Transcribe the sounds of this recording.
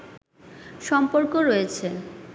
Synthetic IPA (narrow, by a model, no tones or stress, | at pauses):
ʃɔmpoɾkoɾojet͡ɕʰe